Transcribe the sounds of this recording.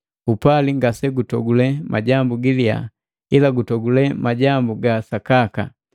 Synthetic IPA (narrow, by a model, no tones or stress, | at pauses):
upaliŋɡasɛɡutɔɡulɛmaɟambuɡilia̰ | ilaɡutɔɡulɛmaɟambuɡasakaka̰